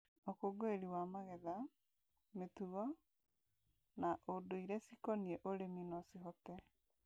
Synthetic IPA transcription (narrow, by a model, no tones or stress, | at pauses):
okoɡoeɾiwamaɣɛða | metuɣɔ | naʔodoiɾɛsikɔniɛʔoɾeminɔsiɦɔtɛ